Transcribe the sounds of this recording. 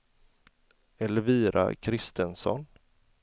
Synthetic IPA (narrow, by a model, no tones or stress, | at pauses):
ɛlːəviːɾʔa̰kʰɾɪst̪ənsɔ̰n